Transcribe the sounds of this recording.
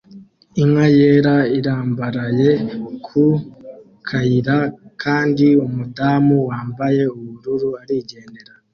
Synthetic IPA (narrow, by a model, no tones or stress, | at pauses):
imwajeːɾaiɾaːmbaɾaje̞kʰu | kʰaiɾakʰaːndiumudaːmuwaːmbaje̞uβuɾuɾuaɾiːɟe̞ːnde̞ɾa